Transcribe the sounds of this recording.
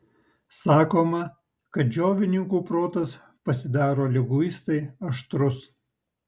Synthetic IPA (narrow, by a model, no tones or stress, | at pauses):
sɑːkoːmɐ | kɐt̪̚d͡ʒʲoːʋʲɪnʲɪŋkuːpɾoːt̪ɐs | pɐsʲɪd̪ɑːɾoːlʲɛɡʊɪst̪ɐɪɐʃt̪ɾʊs